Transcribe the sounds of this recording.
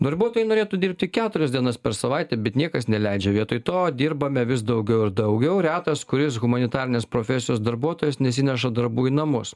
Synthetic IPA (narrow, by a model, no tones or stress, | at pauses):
d̪ɐɾbuɔt̪oːjɪnoːɾʲeːt̪uːd̪ʲiɾʲp̚ʲt̪ʲɪkʲæːt̪ʊɾʲɛsd̪ʲiɛnɐspʲɛɾsɐʋɐɪt̪ʲɛbʲɛt̪nʲiɛkɐsnʲɛlʲæɪd͡ʒʲɛʋʲiɛt̪oːt̪oːd̪ʲiːɾbɐmʲɛʋʲɪs̬d̪ɐʊɡʲɛʊɪɾd̪ɐʊɡʲɛʊɾʲæːt̪ɐskʊɾʲɪs̬ɣʊmɐnʲɪt̪ɑːɾʲɪnʲeːspɾoːfʲɛsʲɪjoːsd̪ɐɾbuɔt̪oːjɛsnʲɛsʲɪnʲɛʃɐd̪ɐɾbuːɪnɐmʊs